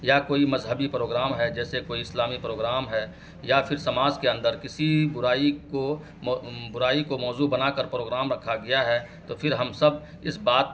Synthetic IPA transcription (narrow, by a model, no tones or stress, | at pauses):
jakoːimɐzɦəbipɾoːɡɾaːmɦɛd͡ʒɛːsekoːiɪslaːmipɾoːɡɾaːmɦɛː | jafʰɪɾsɐmaːzkeɐ̃nd̪əɾkɪsibʊɾaːiko | bʊɾaːikomɔːzubɐnaːkəɾpɾoːɡɾaːmɾɐkʰːaɡɐjaɦɛːt̪oːpʰɪɾɦɐmsɐb | ɪsbaːt̪̚